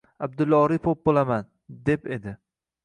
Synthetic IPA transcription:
abd̪ʊlːɒɾipʰop̚bolˠaman | d̪e̞pe̞d̪ɪ

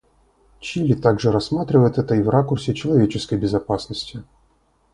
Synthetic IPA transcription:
t͡ʃilʲit̪aɡʐɛɾɐsːmat̪ɾʲɪvəjt̪ɛt̪əivrakʊrsʲɪt͡ʃɪlˠɐvʲet͡ʃɪskəjbʲɪzɐpasnəsʲtʲɪ

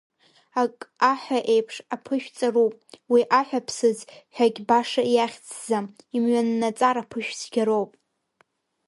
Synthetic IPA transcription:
akʼaħʷᶣaʔejpʰʂapʰɨʃᶣt͡sʼarupʼwiʔaħʷᶣapʰsɨzħʷᶣaɡʲbaʂaijaχʲt͡sʰzamimɥanːat͡sʼaɾapʰɨʃᶣsʰɡʲaɾowpʼ

